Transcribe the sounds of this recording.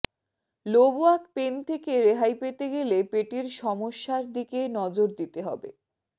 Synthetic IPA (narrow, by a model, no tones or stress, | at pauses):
loboakpent̪ʰekeɾeɦajpet̪eɡelepeʈiɾʃɔmoʃːaɾd̪ikenɔd͡ʑoɾd̪it̪eɦɔ̰bḛ